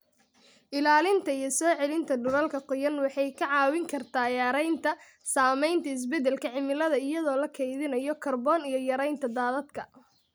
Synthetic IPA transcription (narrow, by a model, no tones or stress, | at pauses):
ʔɪlaːlɪnt̪ʰɐijɞsɔːʕɛlɪnt̪ʰɐɖʊɾɐlkʰɐqʊjɐnwɑħɑjkʰɐʕɑːwɪŋkʰɐrt̪ʰaːjaːɾɛjnt̪ʰɐ | saːmɛjnt̪ʰɐɪs̬bɛd̪ɛlkʰɐʕɪmɪlɐðɐɪjɐðɔːlɐkʰɛjðɪnɐjɔkʰɐrbɔːnijɞjɐɾɛjnt̪ʰɐd̪aːðɐd̪kʰɐ